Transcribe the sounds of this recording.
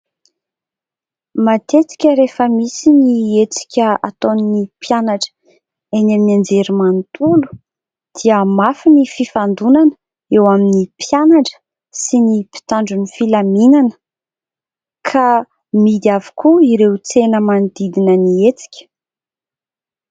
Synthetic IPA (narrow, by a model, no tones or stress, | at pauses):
mat̪et͡si̥kʲəɾefəmisiniet͡si̥kʲəa̰t̪onnipjanaʈ͡ʂə̥ | enaminand͡zeɾimant̪ʰulu̥ | d̪̥iəmafinififand̪unanə̥ | ewaminipʰjanaɳʈ͡ʂə̥ | sinipi̥t̪aɳɖ͡ʐunifilaminanə̥ | kʰa | mid̪iavi̥kuiɾewt͡senəmand̪̥id̪inəniet͡si̥kʲə̥